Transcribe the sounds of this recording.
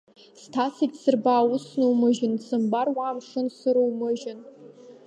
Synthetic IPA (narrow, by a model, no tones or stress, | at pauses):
stʰasitsɨrbaːwʊsnɨwmɨʒɪnsɨmbarwamʂɨnsɨɾowmɨʒɪn